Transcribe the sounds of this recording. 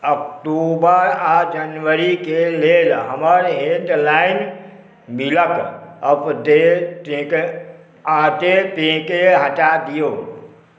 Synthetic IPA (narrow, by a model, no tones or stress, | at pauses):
əkʈubəɾad͡ʒənʋəɾikelelɦəməɾɦẽɖlain | miləkəpd̪et̪ɦke | ad̪et̪iɦkeɦəʈad̪ijo